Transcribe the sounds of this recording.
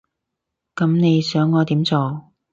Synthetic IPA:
kɐ˨˥mne˨˧jsœː˨˥ŋːɔː˨˧t̪iː˨˥mt͡soː˨˧

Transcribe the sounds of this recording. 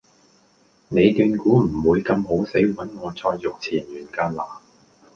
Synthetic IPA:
ne˨˧jt̪yː˧nkuː˨˥m̩˨˩wuː˨˧jkɐ˧mɦo˨˥wse˨˥jwɐ˨˥nŋɔː˨˧t͡sʰɔː˧jːʊ˨k̚t͡sʰiː˨˩njyː˨˩nkaː˧nlaː˨˩

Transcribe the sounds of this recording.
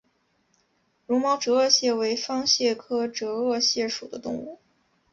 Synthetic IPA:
ɻu˧˥mɑ˥ʊʈ͡ʂɤ˧˥ɤ˥˧ɕjɛ˥˩we˧˥ɪfɑ˥ŋɕjɛ˥˩kʰɤ˥ʈ͡ʂɤ˧˥ɤ˥˧ɕjɛ˥˩ʂu˨˩d̪ə˦t̪ʊ̰˥˧ŋṵ˥˩

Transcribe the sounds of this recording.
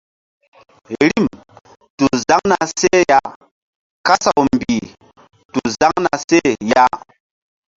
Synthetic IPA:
ɾi˦˨m | tu˨za˦ŋna˨se˦ja˦ | ka˦sa˨wm˨bi˨ | tu˨za˦ŋna˨se˦˨ja˦

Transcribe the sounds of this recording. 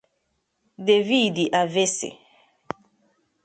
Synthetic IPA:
de˨vi˦˨di˨ʔa˨ve˦sḛ˨

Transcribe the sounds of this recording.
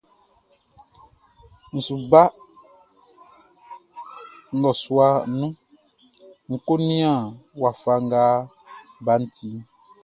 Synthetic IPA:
n̩˨su˨ba˦ | ŋ̩˦ɡɔ˨su˦a˨nũ˦ | ŋ̩˨ko˦nĩ˦ã˨wa˨fa˨ŋ̩˦ɡa˦ | ba˨˦n̩˦ti˦

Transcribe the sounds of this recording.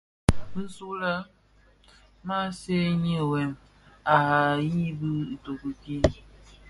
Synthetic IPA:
n̩˦su˦la˦ | ma˦se˦ɲi˦˨we˨m | a˨ɦa˨ji˦bi˦i˨to˨kɨ˨ki˦

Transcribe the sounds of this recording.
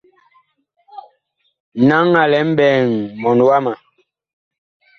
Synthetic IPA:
na˦ŋːa˨lɛ˨˦m̩˦bɛː˨ŋmɔ˨n˨wa˦ma˨

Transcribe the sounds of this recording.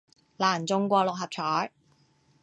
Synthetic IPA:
laː˨˩nt͡sʊ˧ŋkʷɔː˧lʊ˨k̚hɐ˨p̚t͡ʃʰɔː˨˥j

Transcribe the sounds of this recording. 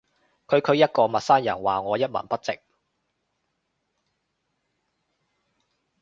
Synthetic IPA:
kʰɵ˨˧ɥkʰɵ˨˧ɥjɐ˥t̚kɔː˧mɐ˨t̚saː˥njɐ˨˩nwaː˨ŋɔː˨˧jɐ˥t̚mɐ̰˨˩npɐ˥t̚t͡sɪ˨k̚

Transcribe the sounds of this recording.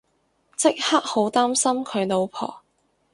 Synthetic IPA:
t͡sɪ˥k̚haː˥k̚ho˨˥wt̪aː˥msɐ˥mkʰɵ˨˧ɥno˨˧wpʰɔ̰ː˨˩

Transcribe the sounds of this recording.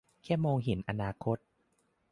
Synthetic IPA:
kʰɛ˥˩mːoː˧ŋɦi˩˦nʔa˧naː˧kʰo˦˥t̪̚

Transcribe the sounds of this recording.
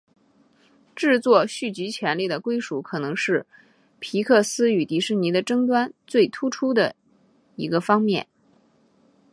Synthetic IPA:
ʈ͡ʂɻ̩˥˧t͡swɔ˥˧ɕy˥˩t͡ɕi˧˥t͡ɕʰjɛ˧˥nli˥˩d̪ə˩kwe˥ɪʂu˧˥kʰɤ˨˩nɤ˧˥ŋʂɻ̩˥˩ | pʰi˧˥kʰɤ˥˩sɹ̩˥y˨˩t̪i˧˥ʂɻ̩˥˩ni˧˥d̪ə˧ʈ͡ʂɤ˥ŋt̪̬wa˥nt͡swe˥˩ɪt̪ʰu˥ʈ͡ʂʰu˥d̪ə̰˨ | i˧˥ɡə˧fɑ˥ŋmjɛ̰˥˩n

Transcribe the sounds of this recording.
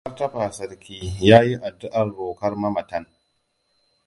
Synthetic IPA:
ɐ˦rtɐ˦ɸaː˨sɐ˨rkʲiː˦jaː˦ji˦ʔa˨dːʊ˦ʔɐ˨rːoː˨kɐ˦rmɐ˦mɐ˨tɐ˦ŋ

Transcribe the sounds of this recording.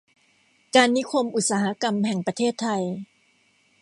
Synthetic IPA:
kaː˧nːi˦˥kʰo˧mʔu˨˩t̪̚saː˩˧ha˦˥ka˧mhɛ˨˩ŋpɾa˧t̪ʰeː˥˩t̪ʰːa˧j

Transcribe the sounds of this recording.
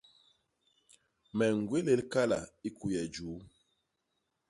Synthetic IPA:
mɛ˨ŋ˨ɡwe˦le˦lka˦la̰˨i˦ku˨jɛ˨d͡ʒuː˨˦

